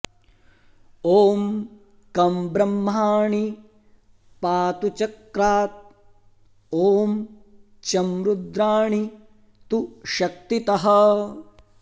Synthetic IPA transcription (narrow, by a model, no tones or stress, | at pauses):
oːm | kɐmbɾɐmːaːɳi | paːt̪ut͡ʃɐkɾaːt̪̚ | oːm | t͡ʃɐmɾud̪ɾaːɳi | t̪uʃɐk̚t̪it̪ɐɦɐ